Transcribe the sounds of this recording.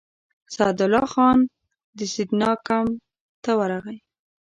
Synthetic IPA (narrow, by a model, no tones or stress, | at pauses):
sɑd̪ʊlɑxɑn | d̪əsid̪nɑkam | t̪awaɾaɣaj